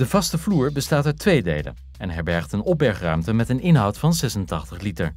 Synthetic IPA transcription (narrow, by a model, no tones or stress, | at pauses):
d̥əvɑstəvluːɹbəstaːtatʋejdḛjlə̰ | ɛnɦɛɹbɛɹχtənɔp̚bɛɹχrœ̰ɥmtəmɛtənɪnɦɑwtfɑnzɛsəntɑχtəχlitəɹ